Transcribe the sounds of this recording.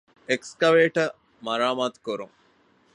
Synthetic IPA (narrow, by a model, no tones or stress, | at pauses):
ekskɐʋeːʈɐ | mɐɾaːmaːt̪u̥kuɾṵŋ